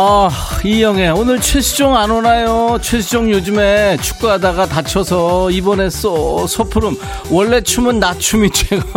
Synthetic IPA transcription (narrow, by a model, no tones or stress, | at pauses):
aijʌŋe̞onɯɭt͡ɕʰwesʰu̥d͡ʑoŋanonajot͡ɕʰwes̬ʰud͡ʑoŋjod͡ʑume̞t͡ɕʰu̥k͈̚uɦadaɡatat͡ɕʰʌsʰʌibʌne̞s͈ʌsʰʌpʰɯɾɯm | wʌɭːe̞t͡ɕʰumɯnːat͡ɕʰumit͡ɕʰweɡ